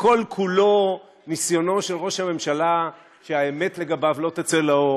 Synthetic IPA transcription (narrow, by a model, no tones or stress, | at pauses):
ko̞lkʰulo̞ | nisjo̞no̞ʃelʁo̞ʃhame̞mʃala | ʃeaeme̞t̪le̞ɡabavlo̞t̪at͡selao